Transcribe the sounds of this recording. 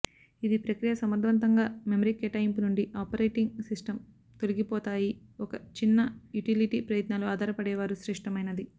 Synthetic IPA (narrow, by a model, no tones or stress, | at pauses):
id̪ipɾɐkɾijɐsɐmɐd̪ʋɐnt̪ɐŋɡaːmemɐɾiːkeʈaːjimpunuɳɖiʔaːpɐɾejʈiŋɡsisʈɐm | t̪oliɡipɔːt̪aːjiɔkɐt͡ʃinːɐjuʈiliʈiːpɾɐjɐt̪naːluaːd̪ʱaːɾɐpɐɽɛːʋaːɾuʃɾɛʂʈɐmɐjnɐd̪i